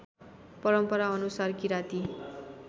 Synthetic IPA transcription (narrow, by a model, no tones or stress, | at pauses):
pʌɾʌmpʌɾaʌnusarkiɾat̪i